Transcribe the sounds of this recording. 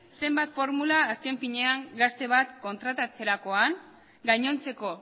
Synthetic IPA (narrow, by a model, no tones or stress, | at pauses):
se̞mbat̪fo̞ɾmulaːske̞ɱfiɲe̞aŋɡast̪e̞βat̪ko̞nt̪ɾat̪at͡se̞ɾako̞aŋ | ɡajɲo̞nt͡se̞ko̞